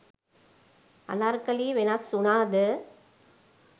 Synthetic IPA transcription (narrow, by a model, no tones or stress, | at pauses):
ɐ̰naɾkɐliʋenasʊnaːd̪ɯ